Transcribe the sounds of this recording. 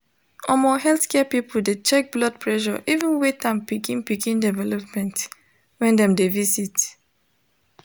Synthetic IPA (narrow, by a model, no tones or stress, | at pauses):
ʔɔmɔɦɛlθkɛpipɔldet͡ʃɛk̚blɔd̚pʰɹɛʃɔ̰ʔivũnwet̚ãnpikĩnpikĩndɛvɛlɔpmɛ̃nt | wɛ̃ndɛ̃mdevisit